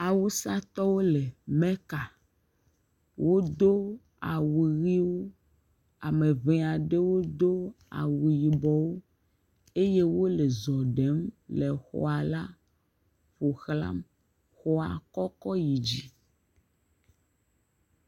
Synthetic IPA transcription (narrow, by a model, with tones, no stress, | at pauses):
a˨wu˦sa˦t̪ɔ˦wo˦le˨mẽ˦ka˨ | wo˦d̪o˦ | a˨wu˨ɣi˦wo˦ | a˨mẽ˨vẽ˦a˨ɖe˦wo˦d̪o˦ | a̰˨wu˨ji˨bɔ˦wo˦ | e˦je˦wo˦le˨zɔ˨ɖe˨˦mle˨xɔ̰˨a˨la˦ | ɸo˨xla̰˦m | xɔ˦a˨kɔ˦kɔ˦ji˨d͡ʑi˦